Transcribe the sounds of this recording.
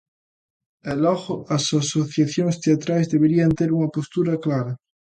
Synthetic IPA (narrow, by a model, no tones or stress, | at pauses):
elɔɣoasasoθjaθjoŋst̪eat̪ɾajzðeβeɾiant̪eɾuŋɐpost̪uɾɐklaɾɐ